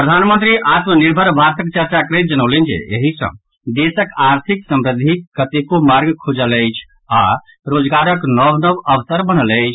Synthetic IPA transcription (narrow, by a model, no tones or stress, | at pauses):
pɾəd̪ʱanmənt̪ɾiʔat̪məniɾbʱəɾbʱaɾsəkt͡ʃəɾt͡ʃakəɾə̃t̪̚d͡ʒənəʊlend͡ʒḛḛɦisə̰̃ | d̪esəkaɾt̪ʰiksəmɾəd̪ʱikːət̪ekomaɾɡkʰud͡ʒələjt͡ʃʰ | a̰ | ɾod͡ʒɡaɾəknɔʋnəʋəʋəsəɾbəñələjt͡ʃʰ